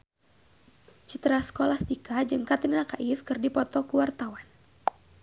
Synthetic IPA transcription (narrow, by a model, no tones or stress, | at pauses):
t͡ʃut̪ɾasə̥kolast̪ikad͡ʒɨŋkat̪ənnakaʔifkɨrdipɔt̪ɔkuwart̪awan